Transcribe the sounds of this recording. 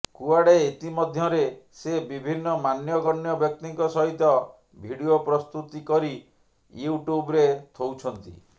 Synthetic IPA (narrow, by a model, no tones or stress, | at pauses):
kuaɽeit̪imɔd̪ʱjɔɾesebibʱinːɔmanjɔɡɔnːjɔbjɔk̚t̪iŋkɔsɔɦit̪ɔ | bʱiɽiopɾɔst̪ut̪ikɔɾi | juʈubɾet̪ʰowt͡ʃʰɔnt̪ḭ